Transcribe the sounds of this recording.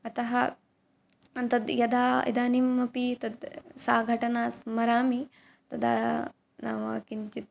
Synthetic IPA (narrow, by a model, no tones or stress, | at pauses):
ɐt̪ɐɦɐ | ɐnt̪ɐd̪jɐd̪aːḭd̪aːnimːɐpit̪ɐd̪saːɡʱɐʈɐnaːsmɐɾaːmi | t̪ɐd̪a̰ː | na̰ːmaːkiɲt͡ʃit̪̚